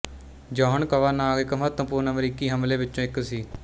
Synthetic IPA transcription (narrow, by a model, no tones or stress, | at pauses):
d͡ʒɔːɦənkəʋaːnaːɡɪkːmət̪ə̃pʊːnəmɾiːkiːɦəmlẽːʋɪt͡ʃːõːɪksiː